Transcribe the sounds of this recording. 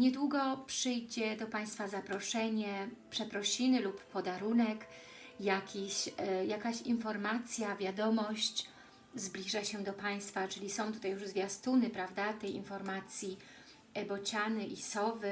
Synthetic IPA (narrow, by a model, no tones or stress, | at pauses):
ɲɛd̪wuɡɔpʂɘjd͡ʑɛd̪ɔpaj̃st̪fazapɾɔʂɛɲɛpʂɛpɾɔɕinɘlupːɔd̪aɾunɛk | jakʲiɕjakaɕinfɔɾmat̪sʲjavʲjad̪ɔmɔɕt͡ɕ | zblʲiʐaɕɛd̪ɔpaj̃st̪fat͡ʂɘlʲisɔ̃w̃t̪ut̪ajuʐzvʲjast̪unɘpɾavd̪at̪ɛjḭnfɔɾmat̪sʲji | ɛbɔt͡ɕanɘʔisɔvɘ